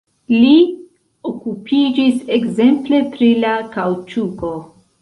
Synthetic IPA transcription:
li | okupʰid͡ʒisekze̞mple̞pɾilakawt͡ʃuko̞

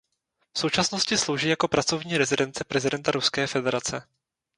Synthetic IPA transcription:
fso̞wt͡ʃasno̞scɪslowʒiːjako̞pɾat͡so̞vɲiːɾɛzɪdɛnt͡sɛpɾɛzɪdɛnt̪aɾuskɛːfɛdɛɾat͡sɛ

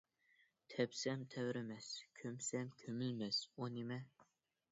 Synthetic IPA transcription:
t̪ʰɛpsɛmt̪ʰɛvɾɪmɛskʲʰømsɛmkʲʰømylmɛsonemɛ

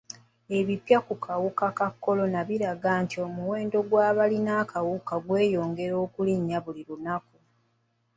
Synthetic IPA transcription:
e̞βipjakukʰawukakakːo̞lo̞naβiɾaɡaːntiomuwe̞ːndo̞ɡwaːβalinakawukaɡwe̞ːjo̞ːŋɡe̞ɾo̞ːkuliɲːaβuliɾunaku

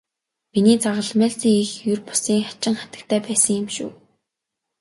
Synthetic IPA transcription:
miniːt͡saʁə̆ɮmæːɮt͡siːŋixjɵrpʊ̥siːŋχḁt͡ɕɪ̆ŋχat̪ə̥̆k̚t̪ʰæːpæːsə̆ŋjɪ̆mʃṵː

